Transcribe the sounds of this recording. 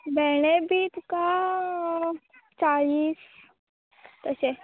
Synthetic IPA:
bʱɛɽ̃ebʱit̪uka | t͡saɭiːs | t̪əse

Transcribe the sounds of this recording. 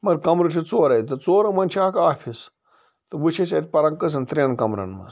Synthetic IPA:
mɐɾkɐmɾɨʈʲʰit͡soːɾɐj̪ʲt̪ɐt͡soːɾɐmɐnt͡ʃʰaːkaːpʲʰis | t̪ɨʋut͡ʃʰɐsʲɐt̪ʲpɐɾɐŋkɐs̬ɐnt̪ɾʲɐnkɐmɾɐ̰nmɐ̰s

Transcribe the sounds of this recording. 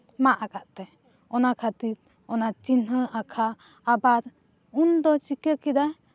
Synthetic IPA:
maʔakaʔt̪ɛ | ɔnakʰat̪iɾ | ɔnat͡ʃinɦəakʰaː | baɾ | und̪ɔt͡ʃikəkid̪a

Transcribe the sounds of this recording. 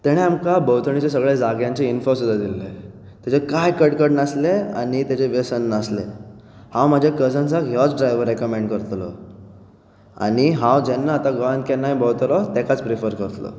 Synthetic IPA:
t̪ɛɽ̃eamkabəwt̪ʰəɳit͡ɕes̬əɡɭed͡zaɡjãɲt͡ɕeinfosud̪ad̪ilːe | t̪jat͡ɕekajkəɽkəɽnaslea̰ɽ̃it̪jat͡ɕeʋesənːaslḛhãwm̤ad͡ʑʱakəd͡zansakjɔt͡sɖɾajʋəɾːekəmeɳɖkəɾt̪lɔ̰ | a̰ɽ̃iɦãwd͡ʑɛnːaːt̪aɡoant̪̚kɛ̃najbʱəwt̪lɔt̪ɛkat͡spɾifəɾkəɾt̪lɔ̰

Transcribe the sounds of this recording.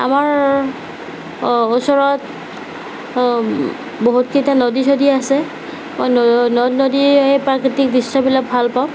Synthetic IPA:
a̰maɹ | osɔɹɔt | boɦutkʰitanodisodiasɛ | mɔjnnnodiɦejpɹakɹitik̚disabilak̚bʱalpaʊ̃

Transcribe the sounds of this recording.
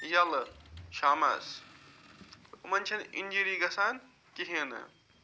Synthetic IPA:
jɐlʃaːmɐ̰s | umɐnʲt͡ʃʰɐninʲd͡ʒiɾiːɡɐsaːn | kiɦenɨ̰

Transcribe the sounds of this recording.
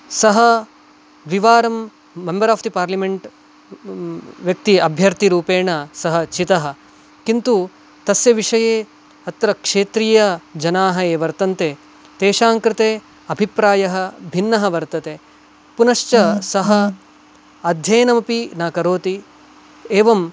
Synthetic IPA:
sɐɦɐ | ʋiʋaːɾɐmː | embɐɾaːft̪ipaːɾlimeɳʈ | ʋjɐk̚t̪iɐbʱjɐɾt̪iɾuːpeːɳɐsɐɦɐ̆t͡ʃit̪ɐɦɐ̆ | kint̪u | t̪ɐsjɐʋiʂɐjeː | ɐt̪ɾɐkʂeːt̪ɾiːjɐd͡ʒɐnaːɦɐeːʋɐɾt̪ɐnt̪eː | t̪eːʃaːŋkɾɪt̪eː | ɐbʱipɾaːjɐɦɐ̆bʱinːɐɦɐʋɐɾt̪ɐt̪eː | punɐʃt͡ʃɐsɐɦɐ | ɐd̪ʱjɐːnɐmɐpinaːkɐɾoːt̪i | eːʋɐm

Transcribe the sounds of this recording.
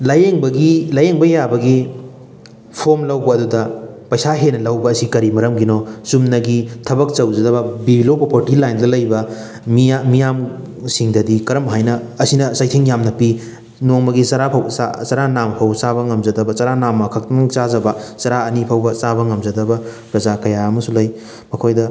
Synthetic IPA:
lɐjeŋbɐɡilɐjeŋbɐjabɐɡi | pʰomlɐwbɐːdudɐpɐjsaɦenɐlɐwbɐːsikɐɾimɐɾɐmɡinosumnɐɡitʰɐbɐk̚t͡ʃɐwzɐdɐbɐbibilopɾopoɾtilajndɐlɐjbɐ | miamijam | siŋdɐdikɐɾɐmɦajnɐ | ɐsinɐsajtʰiŋjamnɐpi | noŋmɐɡisɐɾapʰɐwa̰sɐɾanamɐpʰɐwsaβɐŋɐmzɐdɐbɐt͡ʃɐɾanamːɐkʰɐk̚tɐt͡ʃazɐbɐt͡ʃɐɾaɐnipʰɐwbɐsabɐŋɐmzɐdɐbɐpɾɐzakɐjaɐmɐsulɐj | mɐkʰojdɐ

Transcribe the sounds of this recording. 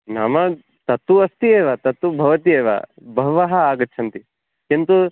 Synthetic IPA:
namɐ | t̪ɐt̪ːuɐst̪ieːʋɐt̪ɐt̪ːubʱɐʋɐt̪ieːʋa̰ | bʱɐʋaɦɐaːɡɐtːt͡ʃʰɐnt̪i | kint̪u

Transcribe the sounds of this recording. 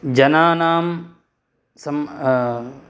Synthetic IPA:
d͡ʒɐnaːnaːm | sɐm

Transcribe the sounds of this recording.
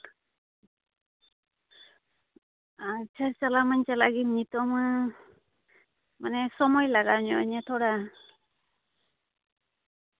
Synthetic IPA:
at͡ʃʰaɾt͡ʃalamant͡ʃalaɡinit̪ɔmɯ | manesɔmɔjlaɡaɲɔɲat̪ʰɔɾa

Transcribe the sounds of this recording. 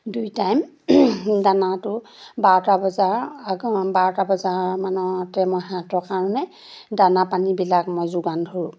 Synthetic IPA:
dujtajm | danatʊ | baɹɔtabɔzaɹaɡbaɹɔtabɔzaɹmanɔtɛmɔjɦãtɔkaɹɔnɛ | danapanibilakmojzʊɡandʱoɹũ

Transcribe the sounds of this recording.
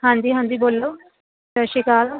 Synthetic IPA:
ɦãːnd̪iːɦãːnd̪iːboːlːoː | təʃikaːl

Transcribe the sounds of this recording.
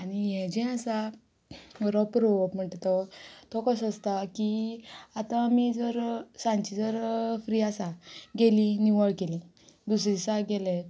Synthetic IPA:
añiɦɛ̃d͡ʑɛ̃asa | ɡɾɔpɾoʋɔpm̤əɳʈ̪t̪ɔt̪ɔkəsəst̪akiat̪ãːmid͡zəɾsãnt͡ɕid͡zəɾfɾiasaɡelĩnuʋəɭɡelĩ | d̪usɾisaɡelɛ

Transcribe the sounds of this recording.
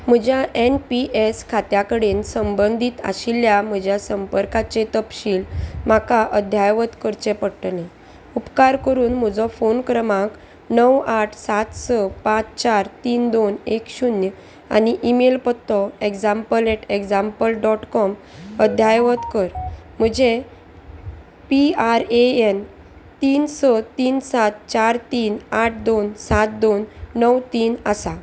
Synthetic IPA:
m̤əd͡ʑjaʔenpiʔeskʰat̪jakəɽeːnsəmbənd̪ʱiːt̪a̰ɕilːjam̤əd͡ʑʱjasəmpəɾkat͡ɕet̪əpɕiːlm̤akaʔəd̪ʱjajʋət̪kəɾt͡ɕepəɽʈnẽ | upkaɾkəɾuːnm̤əd͡zɔfonkɾəmãk | nəwaʈʰsat̪səpãt͡st͡ɕaɾt̪iːnd̪onekɕunjə | a̰niʔimelpət̪ːɔeɡd͡zãmpəleʈeɡd͡zãmpəlɖɔʈkɔməd̪ʱjajʋət̪kəɾm̤əd͡ʑe | piaɾeen | t̪iːnsət̪iːnsat̪t͡ɕaɾt̪iːnaʈʰd̪onsat̪̚d̪onːəwt̪iːnasa

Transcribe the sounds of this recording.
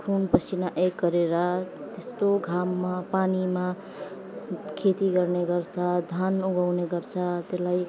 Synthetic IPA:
kʰunpʌsʰinaʔeɡɡʌɾeɾʌt̪est̪oɡʱamːapanima | kʰet̪iɡʌrneɡʌrt͡sʰʌd̪ʱanuɡawneɡʌrt͡sʰʌt̪elaj

